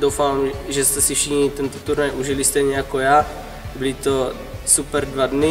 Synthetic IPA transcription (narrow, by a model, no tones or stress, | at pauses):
d̪ɔwfamʒɛst̪ɛsifʃixɲit̪ɛnt̪ɔt̪uɾnajʔuʒilist̪ɛjɲɛjakɔjaː | bilit̪o | supɛɾd̪ʋad̪ni